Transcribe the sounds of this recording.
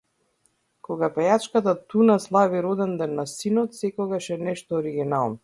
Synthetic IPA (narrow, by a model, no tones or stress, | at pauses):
kɔɡapɛjat͡ʃkat̪at̪unaslˠaviɾɔd̪ɛnd̪ɛnːasinɔt̪sɛkɔɡaʃɛnɛʃt̪ɔːɾiɡʲinalˠnɔ